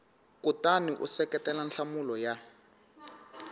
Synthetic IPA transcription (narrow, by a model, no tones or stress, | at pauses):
kutaniʔṵsɛkɛtɛlanɬamulɔja